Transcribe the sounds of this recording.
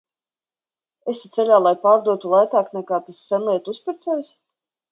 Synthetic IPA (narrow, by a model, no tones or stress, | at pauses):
esi̥t̪seʎʲaːlˠajpaːɾd̪uɔt̪ulˠajt̪æːknɛkaːt̪asːɛnlˠiɛt̪uspʲiɾt̪sɛjs